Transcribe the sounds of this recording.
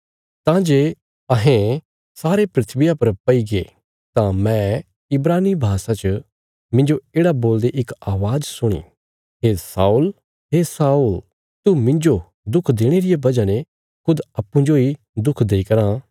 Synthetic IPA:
t̪ãd͡ʒeː | ɐɦẽ | saːɾepɾɪt̪ʰʋɪjapɐɾpɐiɡeː | t̪ãmɛ̃ | ɪbɾaːnibʱaːsãt͡ʃə | mɪ̃nd͡ʒoeːɽaboːld̪eʔɪkaːʋaːzsʊɽ̃ḭ | ɦesaːuːl | ɦesaːul | t̪umɪ̃nd͡ʒo | d̪ʊkʰd̪eːɽ̃eɾɪjabɐd͡ʒãne | kʰʊd̪ɐpːũd͡ʒoi | d̪ʊkʰd̪eːikɐɾã

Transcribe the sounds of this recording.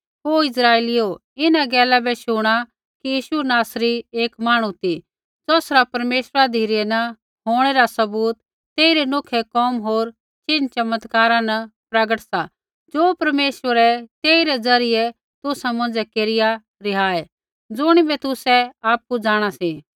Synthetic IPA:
ɦoːɪs̬ɾaːelɪjo | ɪnaɡɛːlabɛʃʊɽ̃a | kijiːʃunaːsɾieːkmaːɽ̃ũt̪i | d͡zɔːsɾapɐɾmeːʃɾad̪ʱiːɾɛnɐ | ɦoːɽ̃ɛɾasɐbuːt̪ː | eːiɾɛnokʰɛkɔːmɦoːɾ | t͡ʃɪnt͡ʃɐmət̪kaːɾãnɐpɾɐɡəʈsa | d͡ʒoːpɐɾmeːʃʋəɾɛt̪eːiɾɛd͡zɐɾɪjɛ | t̪ʊsãmɐ̃nd͡zɛkeːɾɪja | ɾɪɦaːɛ | d͡zʊɽ̃ibɛt̪ʊsɛaːp̚kud͡zaːɽ̃asiː

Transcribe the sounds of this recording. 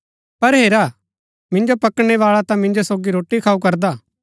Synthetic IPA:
pɐɾɦeːɾa | mɪ̃ɲd͡ʒopɐkɽ̃eʋaːɭat̪ãmɪ̃ɲd͡ʒosoːɡiɾoːʈːikʰaːukɐɾd̪aː

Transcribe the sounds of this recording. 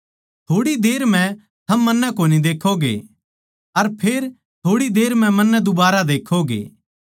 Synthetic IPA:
t̪ʰoːɽid̪eːɾm̤ɛ̃ | t̪ʰɐmːɐnːɛkoːnid̪eːkʰoɡḛ | ɐɾpʰeːɾ | t̪ʰoːɽid̪eːɾmɛ̃mɐnːɛ̃d̪ʊbaːɾad̪eːkʰoɡḛː

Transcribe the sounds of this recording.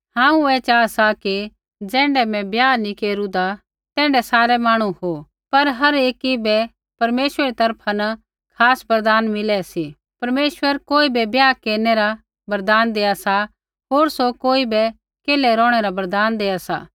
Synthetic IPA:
ɦãːũɛːt͡ʃaːasaki | d͡zɛ̃ːɳɖɛmɛ̃bjaːnikeːɾũd̪a | t̪ɛ̃ːɳɖɛsaːɾɛmaːɽ̃ũho | pɐɾɦɐɾeːkibɛ | pɐɾmeːʃweɾit̪ɐɾpʰanɐ | kʰaːsbɐɾd̪aːnmɪlɛsi | pɐɾmeːʃwəɾkoːibɛbjaːkeːɾneɾa | bɐɾd̪aːnd̪eːasa | ɦoːɾsokoːibɛ | keːlɛɾɔ̃ːɽ̃ɛɾabɐɾd̪aːnd̪eːasa̰ː

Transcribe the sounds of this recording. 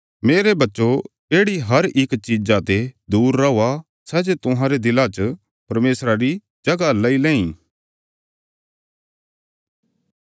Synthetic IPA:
meːɾebɐtːʃo | eːɽiɦɐɾɪkt͡ʃid͡ʒat̪ed̪uːɾːɐuːa | sɛːd͡ʒet̪ʊɦãɾed̪ɪlat͡ʃ | pɐɾmeːsɾaɾi | d͡ʒɐɡalɐilɛ̃ːĩː

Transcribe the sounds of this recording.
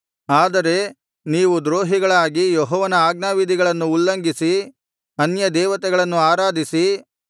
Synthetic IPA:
aːd̪ɐɾe̞ | niːʋud̪ɾoːɦiɡɐɭaːɡijɔɦɔːʋɐnɐaːɡnaːʋid̪ʱiɡɐɭɐnːuːlːɐŋɡisi | ɐnjɐd̪ɛːʋɐt̪ɛɡɐɭɐnːuaːɾaːd̪ʱisi

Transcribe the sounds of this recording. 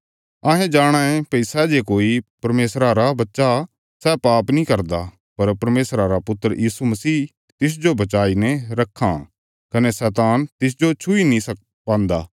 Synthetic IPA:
aːɦẽd͡ʒaːɽ̃aẽpɐɪsad͡ʒeːkoːipɐɾmeːsɾaɾabɐtːʃa | sɛːpaːpnĩkɐɾd̪a | pɐɾpɐɾmeːsɾaɾapʊt̪ːəɾjiːsumɐsiː | t̪ɪs̬d͡ʒobɐt͡ʃaːinɛ̃ɾɐkʰːa | kɐnesɛːt̪aːnt̪ɪs̬d͡ʒot͡ʃʰʊinĩsɐ | pãːnd̪a̰ː

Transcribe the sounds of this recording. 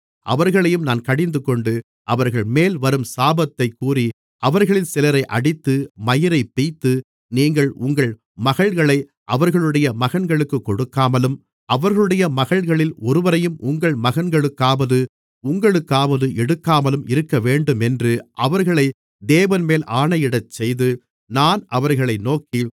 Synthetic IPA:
ʔɐ̰ʋɐɾɣɐɭɐjɯmnaːnkɐɽɪnd̪ɯkːɔɳɖɯ | ʔɐʋɐɾɣɐɭmeːlʋɐɾɯmsaːbɐt̪ːɐɪkːuːri | ʔɐʋɐɾɣɐɭɪnsɪlɐɾɐɪʔɐ̰ɽɪt̪ːɯmɐjɪɾɐɪpːijt̪ːɯ | niːŋɡɐɭʊŋɡɐɭ | mɐɣɐɭɣɐɭɐɪ | ʔɐʋɐɾɣɐɭɯɽɐjɐmɐɣɐnɡɐɭɯkːɯkːɔɽɯkːaːmɐlɯm | ɐʋɐɾɣɐɭɯɽɐjɐmɐɣɐɭɣɐɭɪlɔɾɯʋɐɾɐjɯmʔʊŋɡɐɭmɐɣɐnɡɐɭɯkːaːʋɐðɯ | ʊŋɡɐɭɯkːaːʋɐðɯʔɛɽɯkːaːmɐlɯmɪɾɯkːɐʋeːɳɖɯmɛndrɯʔɐʋɐɾɣɐɭɐɪ | d̪eːʋɐnmeːlʔaːɳɐjɪɽɐt͡ʃːɛjðɯ | naːnʔɐʋɐɾɣɐɭɐɪnoːki

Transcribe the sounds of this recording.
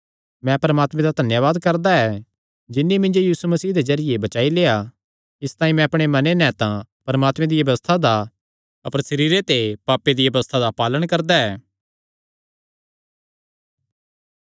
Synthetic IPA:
mɛ̃pɐɾɐmaːt̪mẽd̪ad̪ʱɐnjəʋaːd̪kɐɾd̪aɛ | d͡ʒɪnːimɪ̃nd͡ʒojiːsumɐsiːɦd̪ezɐɾɪjebɐt͡ʃaːileːa | ɪst̪aːĩmɛ̃ɐpɽ̃emɐnenɛ̃t̪ãpɐɾɐmaːt̪mẽd̪ijɐʋəst̪ʰad̪a | ɐpəɾsɐɾiːɾet̪epaːpːed̪ijɐʋəst̪ʰad̪apaːləɽ̃kɐɾd̪aɛː

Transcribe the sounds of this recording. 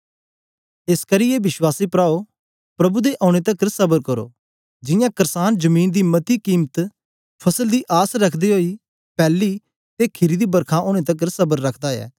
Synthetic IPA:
eskəɾijebɪʃwaːsiːpɾaːo | pɾɐbud̪eʔɔ̃ːɽ̃eːt̪əkəɾsɐbəɾkəɾo̰ː | d͡ʒɪjãːkəɾsaːnd͡ʒəmiːnd̪iːmət̪iːkiːmət̪ | pʰɐsəld̪iːʔaːsɾɐkʰd̪iːɦoːiː | pɛːlːiː | t̪ekʰɪɾiːd̪iːbəɾkʰãːʔoːɽ̃eːt̪ək̬əɾsəbəɾːɐkʰd̪aːɛ̰ː

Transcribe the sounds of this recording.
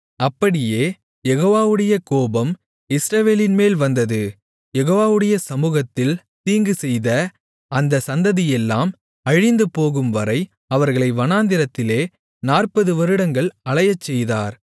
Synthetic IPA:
ɐpːɐɽɪjeː | jɛɣoːʋaːʋɯɽɐjɐkoːbɐm | ɪsɾɐʋeːlɪnmeːlʋɐnd̪ɐðɯ | jɛɣoːʋaːʋɯɽɐjɐsɐmuːɣɐt̪ːɪl | t̪iːŋɡɯsɛjðɐ | ɐnd̪ɐsɐnd̪ɐðɪjɛlːaːm | ɐɻɪnd̪ɯpoːɣɯmʋɐɾɐɪ | ɐʋɐɾɣɐɭɐɪʋɐnaːnd̪ɪɾɐt̪ːɪleː | naːrpɐðɯʋɐɾɯɽɐŋɡɐɭɐɭɐjɐt͡ʃːɛjðaːɾ

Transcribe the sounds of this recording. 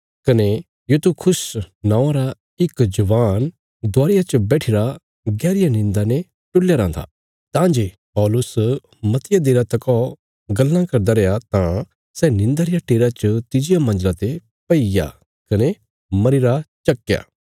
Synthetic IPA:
kɐne | jut̪ukʰʊsnãːɾa | ɪkd͡ʒɐʋaːn | d̪ʊaːɾɪjat͡ʃɐbɛːʈʰɪɾa | ɡɛːɾɪjanɪ̃nd̪ane | ʈʊlːjaɾãːnd̪a̰ | t̪ãːd͡ʒe | pɔːlʊs | mɐt̪ɪjad̪eːɾat̪ɐkɔ | ɡɐlːãkɐɾd̪aɾɛjat̪ã | sɛnɪ̃nd̪aɾɪjaʈeːɾat͡ʃət̪ɪd͡ʒɪjamɐ̃nd͡ʒlat̪e | pɐɪja̰ | kɐne | mɐɾɪɾat͡ʃɐkːja̰ː

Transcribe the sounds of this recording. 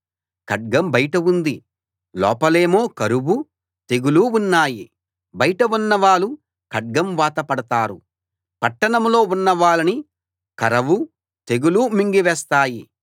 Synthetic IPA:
kɐɖ̚ɡɐmbɐjʈɐund̪i | lɔ̰ːpɐle̞ːmo̞ːkɐɾubu | t̪e̞ɡuluunːaːji | bɐjʈɐunːɐʋaːɭu | kɐɖ̚ɡɐmʋaːt̪ɐpɐɽɐt̪aːɾu | pɐʈːɐɳɐmlo̞ːunːɐʋaːɭɐni | kɐɾɐʋu | t̪e̞ɡulumiŋɡiʋɛːst̪aːji

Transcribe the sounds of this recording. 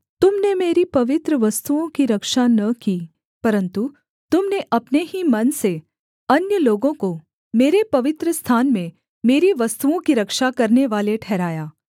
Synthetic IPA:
t̪ʊmnemeːɾipɐʋɪt̪ɾəʋɐst̪uõkiɾɐkʃanɐkiː | pɐɾə̃nt̪u | t̪ʊmneʔɐpneɦimɐnse | ɐnjəloːɡõko | meːɾepɐʋɪt̪ɾəst̪ʰaːnmẽ | meːɾiʋɐst̪uõkiɾɐkʃakɐɾneʋaːleʈʰɛːɾaːjaː

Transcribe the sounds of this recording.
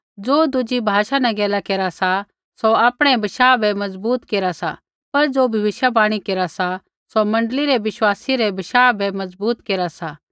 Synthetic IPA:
d͡zoːd̪ʊd͡ʒibʱaːʃanɛ̃ɡɛːlakeːɾasa | soaːpɽ̃ɛ̃bɐʃaːbɛmɐzbuːt̪keːɾasa̰ | pɐɾd͡zoːbʱɐʋɪʃjabaːɽ̃ikeːɾasa | somɐ̃ɳɖliɾɛʋɪʃwaːsiɾɛbɐʃaːbɛmɐzbuːt̪keːɾasaː

